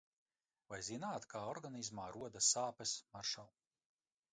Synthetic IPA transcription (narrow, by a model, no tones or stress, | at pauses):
vajzinaːt̪kaːɔɾɡanizmaːɾuɔd̪asaːpɛsmaɾʃaw